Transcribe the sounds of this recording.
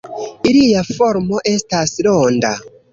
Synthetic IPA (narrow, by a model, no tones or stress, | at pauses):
iliafo̞ɾmo̞ʔe̞staslo̞nda̰